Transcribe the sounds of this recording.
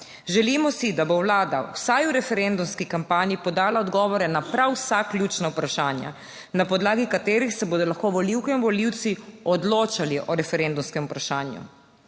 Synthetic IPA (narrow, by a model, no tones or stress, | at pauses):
ʒɛlimɔsid̪abowlaːd̪a̰wsajuɾɛfɛɾɛnd̪umskikampaːnipɔd̪aːlaɔd̪ɡɔːʋɔɾɛnapɾawsaklʲjuːt͡ʃnawpɾaʃaːnja̰ | napɔd̪laːɡikat̪eːɾixsɛboːd̪ɔlaxkoʋɔliwkɛinʋɔliwt̪siɔd̪loːt͡ʃaliʔɔɾɛfɛɾend̪umskɛmupɾaʃaːnjṵ